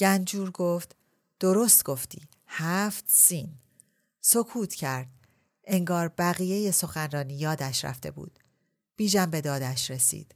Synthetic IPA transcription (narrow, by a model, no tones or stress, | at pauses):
ɟ̥ænd͡ʒuːɾɡoft̪ | d̪̥o̞ɾost̪ɡ̥o̞ft̪ḭː | hæft̪siːn | so̞kʰuːt̪ʰcʰæɾd̪̥̚ | ʔe̞ŋɡɒːɾbæɣije̞je̞so̞xænrɒːniːjɒːd̪æʃɾæ̰ft̪e̞̰bṵːd̪̥ | b̥iːʒæmbe̞d̪ɒːd̪æʃɾe̞sḭːd̪̥